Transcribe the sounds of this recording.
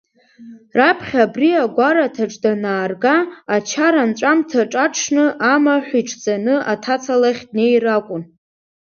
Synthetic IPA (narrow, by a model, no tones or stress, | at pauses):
rapʰχʲabriaɡʷaɾatʰaʈ͡ʂʼdanaːrɡaat͡ʃʰaɾant͡ʃʷʼamtʰaʈ͡ʂʼaʈ͡ʂʰnɨʔamaħʷiʈ͡ʂʰʼd͡zʼanɨʔatʰat͡sʰalaχʲd̚ne̞jrakʷʼʊn